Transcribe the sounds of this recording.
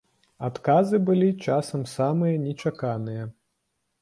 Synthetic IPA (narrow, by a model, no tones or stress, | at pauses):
at̪kazɨbɨlʲit͡ʂasɐmsamɨjɐnʲɛt͡ʃakanɨjɐ